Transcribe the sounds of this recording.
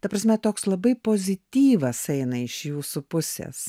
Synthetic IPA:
t̪ɐpɾɐsʲmʲɛt̪oːkslˠɐbɐɪpoːzʲɪt̪ʲiːʋɐsɛɪnɐɪʃjuːsupʊsʲḛs

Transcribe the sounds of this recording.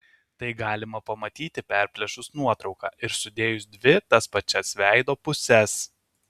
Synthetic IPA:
t̪ɐɪɡɑːlʲɪmɐpɐmɐt̪ʲiːt̪ʲɪpʲæˑɾʲpʲlʲɛʃʊsnuɔt̪ɾɒʊkɑ̰ːʔɪɾsʊd̪ʲeːjʊsd̪ʲʋʲɪt̪ɐspɐt͡ʃʲɛsʋʲæˑɪd̪oːpʊsʲɛs

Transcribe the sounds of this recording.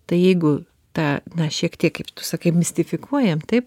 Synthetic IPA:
t̪ɐɪjɛɪɡʊ | t̪ɑːnɐʃʲiɛkt̪ʲiɛkkɐɪpt̪ʊ̥sɐkɐɪmʲɪsʲt̪ʲɪfʲɪkuɔjɛmt̪ɐɪp

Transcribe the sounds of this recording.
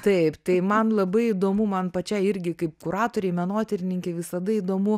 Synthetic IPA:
t̪ɐɪpt̪ɐɪmɐnlˠɐbɐɪid̪oːmumɐnpɐt͡ʃʲɛɪɪɾʲɡʲɪkɐɪpkʊɾɑːt̪oːɾʲɛɪmʲɛnoːt̪ʲɛɾʲɪnʲɪŋʲkʲɛɪʋʲɪsɐd̪ɐiːd̪oːmʊ

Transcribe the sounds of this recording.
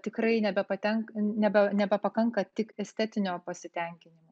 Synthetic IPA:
t̪ʲɪkɾɐɪnʲɛbʲɛpɐt̪ʲɛŋknʲɛbʲɛnʲɛbʲɛpɐkɐŋkɐt̪ʲɪkɛsʲt̪ʲɛt̪ʲɪnʲoːpɐsʲɪt̪ʲɛŋʲkʲɪnʲɪmo

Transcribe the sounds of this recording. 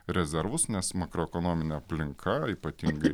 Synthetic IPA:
ɾʲɛzʲɛɾʋʊsnʲɛsmɑkɾoɛkonoːmʲɪnʲɛɐpʲlʲɪŋkʰɐiːpɐt̪ʲiŋɡɐɪ

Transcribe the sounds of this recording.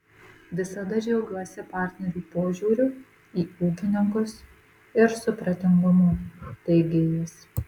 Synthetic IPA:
ʋʲɪsɐd̪ɐd͡ʒʲɛʊɡʲuɔsʲɛpɑˑɾʲt̪ʲnʲɛɾʲuːpoːʒʲuːɾʲu | iːuːkʲɪnʲɪŋkʊs | ɪɾsʊpɾɐt̪ʲɪŋɡʊmuːt̪ɐɪɡʲeːjɛs

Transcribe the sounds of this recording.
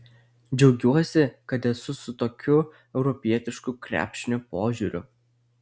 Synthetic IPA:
d͡ʒʲɛʊɡʲuɔsʲɪkɐt̪ɛsʊsʊt̪oːkʲʊ | ɛʊɾɔpʲiɛt̪ʲɪʃkukɾʲæ̰ːpʲʃʲɪnʲʊpoːʒʲuɾʲʊ̰

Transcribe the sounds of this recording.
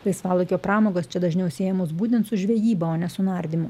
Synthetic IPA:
lˠɐɪsʋɑːlˠokʲoːpɾɑːmoːɡoːst͡ʃʲɛd̪ɐʒʲnʲɛʊsʲeːjɛmoːs̬buːt̪ʲɛnt̪sʊʒʲʋʲɛjiːbɐoːnʲɛsʊnɑɾʲd̪ʲɪmʊ

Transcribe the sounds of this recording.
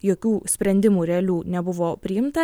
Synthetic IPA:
joːkʲuːsʲpʲɾʲɛnʲd̪ʲɪmuːɾʲɛlʲuːnʲɛbʊʋoːpʲɾʲɪjɪmt̪ɐ

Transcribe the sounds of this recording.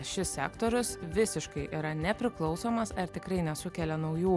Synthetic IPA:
ʃʲɪssʲæ̰ːkt̪oːɾʲʊsʋʲɪsʲɪʃkɐɪʔiɾɐnʲɛpʲɾʲɪklˠɒʊsoːmɐsɐɾt̪ʲɪkɾɐɪnʲɛsʊkʲɛlʲɛnɒʊjuː

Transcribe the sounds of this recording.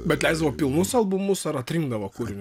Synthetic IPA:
bʲɛt̪lʲɛɪzd̪ɐʋoːpʲɪlˠnʊsɐlˠbʊmʊsɐɾɐt̪ʲɾʲiŋɡd̪ɐʋɐkuːɾʲɪnʲ

